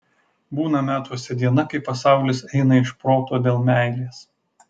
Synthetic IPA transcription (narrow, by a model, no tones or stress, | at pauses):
buːnɐmʲæːt̪uɔsʲɛd̪ʲiɛnɐkɐɪpɐsɑˑʊlʲɪsɛɪnɐɪʃpɾoːt̪oːd̪ʲeːlˠmʲæˑɪlʲeːs